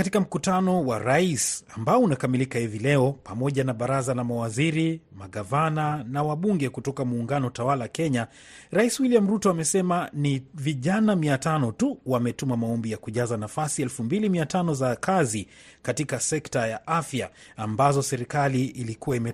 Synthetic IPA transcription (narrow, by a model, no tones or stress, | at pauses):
katikam̩kutanɔwaɾaisambaɔunakamilikahivilɛɔpamɔʄanaɓaɾazalamawaziɾimaɠavananawaɓuŋɡɛkutɔkamuːŋɡanɔtawalakɛɲa | ɾaiswiliamɾutɔamɛsɛmaniviʄanamiatanɔtuwamɛtumamaɔmbijakuʄazanafasiɛlfumbilimiatanɔzakʰazi | katikasɛktajaʔafjaːmbazɔsɛɾikaliːlikuwaimɛ